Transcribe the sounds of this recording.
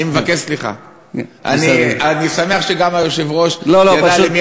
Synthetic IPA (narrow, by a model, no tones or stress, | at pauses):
imevakeʃsliχa̰ | ʔa̰nianisame̞aχʃeɡamajoʃevʁo̞ʃloload̪alimi